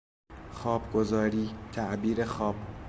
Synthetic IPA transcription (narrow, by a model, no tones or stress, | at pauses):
xɒːbɡozɒːɾiːt̪ʰæʔbiːɾexɒːb̥